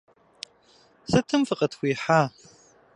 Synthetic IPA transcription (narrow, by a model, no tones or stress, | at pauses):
sɨtʰɨmfɨqʼɐtʰxʷiːħaː